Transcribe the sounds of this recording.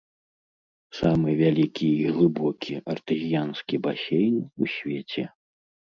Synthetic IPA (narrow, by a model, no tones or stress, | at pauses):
samɨvʲalʲikʲiːɣlˠɨbɔkʲʰiɐrt̪ɨzʲijanskʲibasʲejnʲusʲvʲet͡sʲɛ